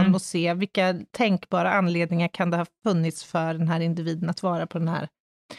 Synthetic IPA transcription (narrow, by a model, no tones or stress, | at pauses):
nmɔseːvɪkːat̪ʰɛŋkbɑːɾaʔanleːd̪nɪŋaɾkʰand̪ɛhɑfɵnːɪt̪sfœɖɛnɦæːɾɪnd̪ɪviːd̪ənat̪vɑːɾapʰɔd̪ɛnhæ̰ːɾ